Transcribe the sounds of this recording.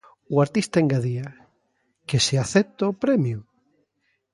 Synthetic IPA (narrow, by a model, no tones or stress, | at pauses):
uaɾt̪ist̪aeŋɡaðia | keseaθɛp̚t̪aopɾɛmjʊ